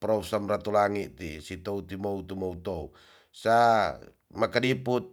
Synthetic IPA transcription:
pɾɔsamrat̪ulaŋit̪ḭsit̪out̪imout̪umout̪ou | sa | makadiput̪̚

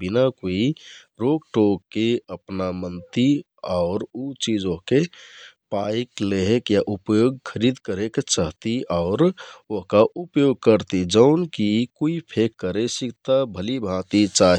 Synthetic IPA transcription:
binakoi | ɾoɡ̚ʈokːeəpnamənt̪i | aʊɾut͡ʃid͡ʒoɦkepajkleɦekjaʔupjoɡkʰəɾid̪kəɾekt͡ʃaɦt̪iʔaʊɾoɦkaʔupjoɡ̚kəɾt̪id͡ʒəʊnkikuipʰekːəɾesikt̪abʱəlibʱãt̪it͡ʃaɦ

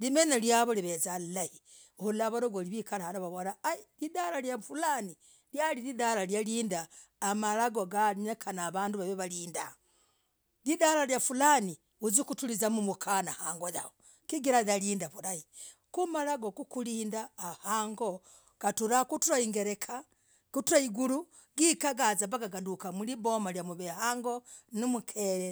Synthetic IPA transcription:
limenaljaβoliβezalahi | ohulaβaɾoɡoliβikalahaɾaβaβonaːilidaɾaljafulani | ljaliɾidalaljaliːndaːmalaɡoɡaiɲekʰanaβaːnduβaβeβaliːnda | lidalaljafulani | uzikutulizamumukʰanahaːŋɡoja̰o | kiɡiɾaðaliːndaβuɾai | kumalaɡokukuliːndaːhaːŋɡo | katuɾakutuɾaiŋɡeɾe̞kʰa | kutuɾaiɡulu | ɡikaɡazaβaɡaɡadukamulibomaljamuβehaːŋɡo̞nimukʰele

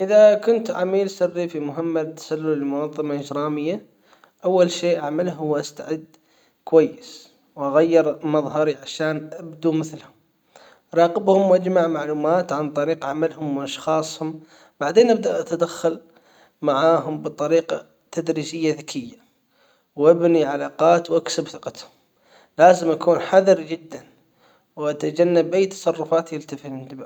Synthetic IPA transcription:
ʔɪðakʊnt̪ʕamiːlsɪrːifimʊɦɪmːat̪ːḁsalːʊlɪlmʊnɑðˤːɑmaʔɪd͡ʒɾɑːmɪjːa | ʔawːalʃeːʔaʕmalɦʊwʔast̪aʕɪd̪ | kwajːəs | wʔaɣajːɪɾmɑðˤɦɑɾiʕaʃaːnʔabd̪umɪθlhʊm | ʔɑɾˤɑːqɪbhʊmwʔad͡ʒmaʕmaʕluːmaːt̪ʕant̪ˤɑɾiːqʕamalhʊmwʔɑʃxɑːsˤhʊm | b̥aʕd̪eːnʔab̚d̪aʔat̪ad̪axːal | maʕaːɦʊmbɨt̪ˤɑɾiːqa | t̪ad̪ɾiːd͡ʒɪjːaðɪkʰɪjːa | wʔabniʕalɑːqɑːt̪wʔaksɪbθɪqɑt̪hʊm | laːzɪmʔakuːnħaðɨɾd͡ʒɪd̪ːan | wʔat̪ad͡ʒanːabʔajːt̪ɑ̥sˤɑrˤːʊfaːt̪jɪlt̪afint̪ɪba

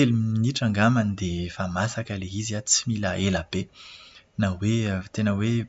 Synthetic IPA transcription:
eliminiʈ͡ʂaŋɡamanid̪efamasakəleiziat͡similaʔelab̥e | nawet̪enəwe

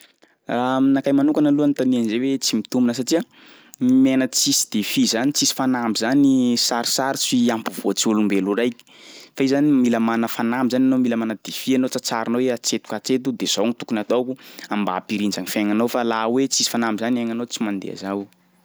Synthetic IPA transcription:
raminakajmanukanəluant̪anianzewet͡simit̪umbinəs̬aʈ͡ʂia | menət͡sisi̥d̪̥efizanit͡sisi̥fanambizanisaɾi̥saɾit͡siampuvot͡siulumbeluɾajki̥faizanimiləmanəfanambizananomilamanəd̪efianot͡sat͡saɾinoeat͡set̪u̥kat͡set̪̬ud̪ez̥oŋit̪ukunat̪okuamba̰piɾind͡ʒaŋifaŋanowfalaɦwet͡sisi̥fanambizaniaŋanot͡simand̪ḛa̰zaw

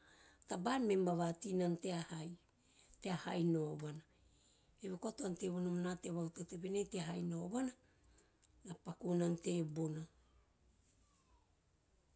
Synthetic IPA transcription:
tabanmemaβatinanteahaj | teaha̰jnoβana | eβekoatoante̞βonamanateβawtoteβenejteaɦajnoβana | napakunante̞bona

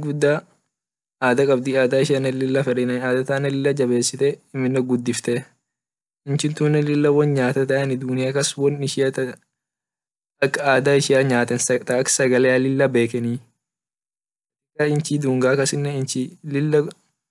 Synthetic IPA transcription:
ɡʊd̪ːaː | aːd̪ɐkʼɐbd̪iaːd̪aːɪʃɪɐnːɛlɪlːɐfɛɾɛnɐnaːd̪ɐt̪aːnːɐlɪlːɐd͡ʒɐbe̞ːsːɪt̪ɛɪmːɪnːɛɡʊd̪ːɪft̪ɛ | ɪnt͡ʃɪnt̪uːnːɛlɪlːɐwɔnɲaːt̪ɐt̪̬ɐɐnɪd̪uːnɪɐkɐswɔnɪʃɪɐt̪ | ɐkːɐaːd̪aːɪʃɪɐɲaːt̪ɛnsɐt̪ɐksɐɡɐleːɐlɪlːɐbe̞ːkɛniː | ɐkːɐɪnt͡ʃid̪uːŋɡaːkɐsɪnːɛɪnt͡ʃɪlɪlːɐ

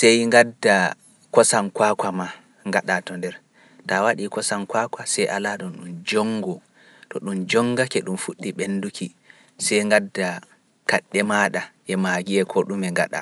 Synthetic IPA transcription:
sɛjŋɡadːa | kɔsankwakwama | ŋɡaɗatɔndɛɾ | tawaɗikɔsankwakʷasɛjʔalaɗɔnɗumd͡ʒɔŋːɡɔ | tɔɗumd͡ʒɔŋɡakɛɗumfuɗːiɓendukʰi | sɛjŋɡadːa | kaɗːɛmaɗaʔɛmaɡiɛkʰɔɗumɛŋɡa̰ɗa̰

